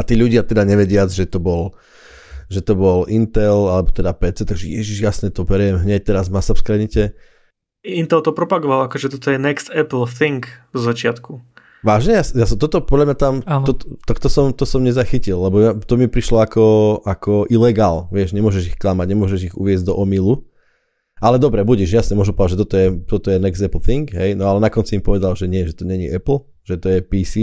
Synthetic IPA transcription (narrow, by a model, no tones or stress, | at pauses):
at̪iːʎuɟɪat̪ɛd̪aɲɛʋɛɟɪad͡zʒɛt̪ɔbɔl | ʒɛt̪ɔbɔlʔint̪ɛlalɛbɔt̪ɛd̪apɛːt͡sɛt̪aɡʒɛjɛ̰ʒiʒjasɲɛt̪ɔbɛɾijɛmɦɲɛc̚t̪ɛɾazmasafskɾɛɲitɛ | int̪ɛlt̪ɔpɾɔpaɡɔʋalakɔʒɛt̪ɔt̪ɔjɛnɛkst̪ɛpl̩θiŋkvzat͡ʃɪat̪ku | ʋaːʒɲɛjasjast̪ɔt̪ɔpɔd̪ʎamɲat̪amanɔt̪t̪ɔkt̪ɔsɔmt̪ɔsɔmɲɛzaxicilːɛbɔat̪ɔmipɾiʃlɔakɔakɔʔilɛɡaːlʋɪɛʃɲɛmʊɔʒɛʒixklamaɟɲɛmʊɔʒɛʒiɣṵʋɪɛzʲd̪ɔʔɔmilu | ʔalɛd̪ɔbɾɛbuɟiʒjasnɛmʊɔʒumpɔʋɛd̪ad͡ʒʒɛt̪ɔt̪ɔjɛt̪ɔt̪ɔjɛnɛɡzd̪ɛpl̩θiŋɡɦɛjnɔalɛnakɔnt͡siimpɔʋɛd̪alʒɛɲɪɛʒɛt̪ɔɲɛɲḭʔɛpl̩ | ʒ̥ɛt̪ɔjɛpisi